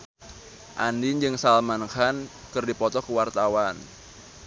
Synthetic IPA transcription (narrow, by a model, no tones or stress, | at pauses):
ʔandɪnd͡ʒɨŋsalmankan | kɨrdipɔt̪ɔkəwart̪awan